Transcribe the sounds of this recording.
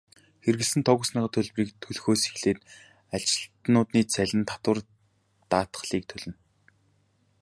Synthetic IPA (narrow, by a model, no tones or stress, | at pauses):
xerɣɘ̆ɮsɘ̆nt̪ʰɔɣə̆sniːʁə̆t̪ʰɵɮpriːk̚t̪ʰɵɮxoːsi̥xɮeːt̪ | at͡ɕɪ̥̆ɮt̪nʊːt̪niːt͡sʰæɮʲɪ̆nt̪ʰḁt̪wə̆r | t̪aːt̪̆χɮiːk̚t̪ʰɵɮɘ̆n